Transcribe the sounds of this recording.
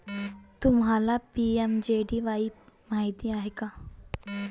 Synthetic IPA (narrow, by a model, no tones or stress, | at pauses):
t̪umɦalapiemd͡ʑeɖiʋaimaɦid̪iaɦeka